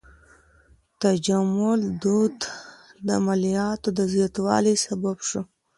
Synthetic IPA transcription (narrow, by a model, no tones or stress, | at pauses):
t̪ad͡ʒamʊld̪ud̪d̪əamalijɑt̪od̪əzjɑt̪wɑ̰lisababʂu